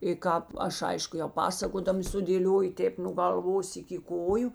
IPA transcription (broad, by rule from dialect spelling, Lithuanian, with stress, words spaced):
ɪ ˈkɑːp ˈɐʃ ˈɐɪʃkʊ jɛʊ ˈpɑːsɐkoːdɐmɐ sʊdʲeːˈlʲoːjʊ ˈtʲeːp nʊ ɡɐlˠˈʋoːs ɪkʲɪ ˈkoːjʊ